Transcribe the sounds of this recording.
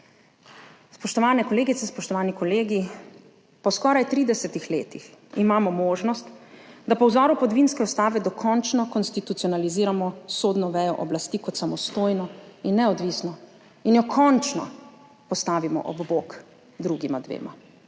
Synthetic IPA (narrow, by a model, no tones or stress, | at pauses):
spɔʃt̪ɔʋaːnɛkɔleːɡit̪sɛspɔʃt̪ɔʋaːnikɔleːɡi | pɔskɔːɾajt̪ɾiːd̪ɛsɛt̪ixleːt̪iximaːmɔmoːʒnɔst̪d̪apɔwzɔːɾupɔd̪ʋinskɛust̪aːʋɛd̪ɔkʰɔnt͡ʃnɔkɔnst̪it̪ut̪siɔnaliziːɾamɔsoːd̪nɔʋɛːjɔ̰ʔɔblast̪iːkɔt̪samɔst̪oːjnɔinːɛɔd̪ʋiːsnɔ | injɔkʰɔnt͡ʃnɔ̰ | pɔst̪aːʋimɔ̰ʔɔ̰bbok | d̪ɾuɡimad̪ʋḛːma̰